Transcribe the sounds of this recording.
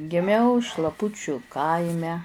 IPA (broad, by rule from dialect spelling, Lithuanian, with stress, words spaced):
ɡʲɪˈmʲɛʊ ʃlˠɐˈpʊt͡ʃʲʊ ˈkɐɪmʲɛ